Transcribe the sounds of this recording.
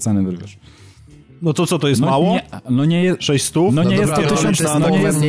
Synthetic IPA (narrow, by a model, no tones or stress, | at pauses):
t̪sɛnɛvɾvʲɛʂ | nɔt̪sɔt̪sɔt̪ɔjɛst̪ɔmawɔɲɛnɔɲɛjɛʂɛɕst̪unɔɲɲɛjɛst̪ːt̪ʃɛnɔɲɛjɛs